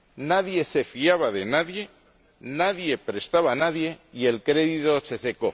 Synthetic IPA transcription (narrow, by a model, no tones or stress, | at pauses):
naðje̞se̞fiaβ̞aðe̞naðje̞ | naðje̞pɾe̞st̪aβanaðje̞ie̞lkɾe̞ðit̪o̞se̞se̞ko̞